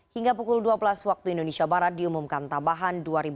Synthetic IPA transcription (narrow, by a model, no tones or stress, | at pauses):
hiŋɡapukʊlduabəlaswak̚t̪uindonesiabaɾat̪̚diumumkant̪ambaɦanduaɾib